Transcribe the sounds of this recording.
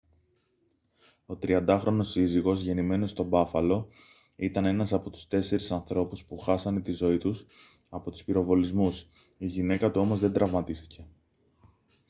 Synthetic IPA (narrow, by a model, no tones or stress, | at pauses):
o̞t̪ɾiɐnd̪ɐxɾo̞no̞siziɣo̞zʝe̞nime̞no̞st̪o̞bɐfɐlo̞ | it̪ɐne̞nɐsɐpo̞t̪u̥st̪e̞se̞ɾisɐnθɾo̞puspuxɐsɐnet̪izo̞it̪us | ɐpo̞t̪u̥spiɾo̞vo̞lizmus | iʝine̞kɐt̪uo̞mo̞zðe̞nd̪ɾɐvmɐt̪ist̪i̥ce̞